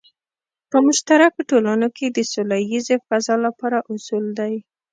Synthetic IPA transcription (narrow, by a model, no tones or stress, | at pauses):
pəmʊʃt̪aɾakoʈolanoked̪əsolajizefazɑlapɑɾaʔʊsuld̪aj